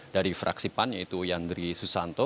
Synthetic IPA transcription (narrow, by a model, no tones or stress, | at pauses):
daɾifɾʔa̰ksipanjait̪ujand̪ɾisusant̪ɔ